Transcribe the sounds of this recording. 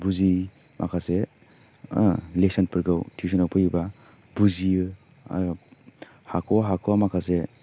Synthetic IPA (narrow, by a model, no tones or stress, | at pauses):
buzi | mʔa̰kʰase | lesanpɯɾɡawtʰisɔnawpʰajiba | buziɯ̰ | hakʰɔɦakʰɔamakʰase